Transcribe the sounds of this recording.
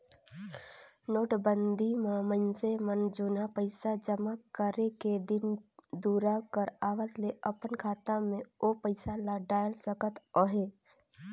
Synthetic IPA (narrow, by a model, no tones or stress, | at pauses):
noːʈbənd̪ʱimamənsemənd͡ʒʊnapəɪsad͡ʒəmakəɾeked̪ɪnd̪uːɾakəɾaːʋəsleʔəpənkʰaːt̪ãmẽopəɪsalaɖaːjlsəkət̪oɦeː